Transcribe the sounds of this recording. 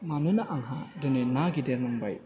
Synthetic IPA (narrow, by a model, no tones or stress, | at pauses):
manɯnaʔaŋɦa̰dɯnenaɡideɾnaŋbaj